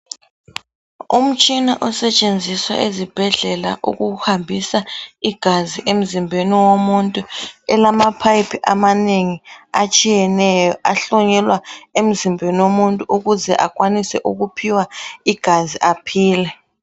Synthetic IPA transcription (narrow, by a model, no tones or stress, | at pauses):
um̩t͡ʃʼinaʔɔsɛt͡ʃʼend͡zʱiswa̰ʔezib̥ʱɛɮɛla̰ʔṵɣuhambʱisaiɡ̥ʱaziʔem̩zimbʱeniwomuntʼuɛlamapʰajpʰiʔamaneŋiat͡ʃʼijɛnɛjɔʔaɬɔɲɛlwaem̩zimbʱeniwomuntʼuʔuɣuzɛʔak̬ʼwanisɛʔuɣupʰiwaiɡ̥ʱaziʔapʰiːlɛ